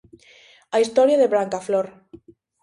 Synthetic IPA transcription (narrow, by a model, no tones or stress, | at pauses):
aist̪ɔɾjaðeβɾaŋkafloɾ